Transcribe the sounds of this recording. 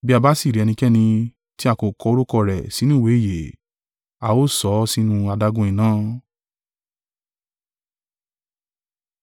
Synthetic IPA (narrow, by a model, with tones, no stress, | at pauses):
bi˦a˧ba˦si˦˨ɾi˨ɛ˧nĩ˧kɛ˦nĩ˧ | ti˦a˧ko˨kɔ˧o˧ɾu˦kɔ˧ɾɛ˨si˨˦nũ˦˨we˨˦˨je˨ | a˧˨o˦sɔ˨˦si˦nũ˧a˧da˧ɡũ˧˦ĩ˨nãː˦